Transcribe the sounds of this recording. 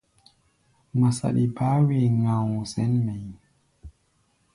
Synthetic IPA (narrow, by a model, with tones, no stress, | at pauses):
ma˨sa̰˨ɗḭ˨ba˦we˨ŋã˨wzɛ˨˦nmɛ˨j